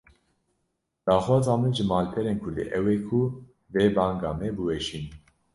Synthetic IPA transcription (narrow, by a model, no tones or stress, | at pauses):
d̪̥aːxwɑːzɑːmɨʒɨmɑːlpʰɛɾeːnkʰʊɾd̪ḛːʔɛwɛkʰu | veːbɑːŋɡɑːmɛbɨwɛʃiːn